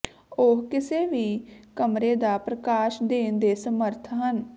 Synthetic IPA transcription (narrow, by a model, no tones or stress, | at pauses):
ʊɦkɪseːʋiːkəmɾeːd̪aːpɾəkaːʃd̪eːnd̪eːsəməɾt̪ʰɦən